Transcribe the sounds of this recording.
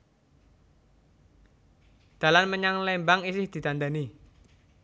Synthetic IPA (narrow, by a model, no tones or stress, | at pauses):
d̪̥a̤lanməɲaŋlembaŋisɪhd̪̥i̤t̪and̪ani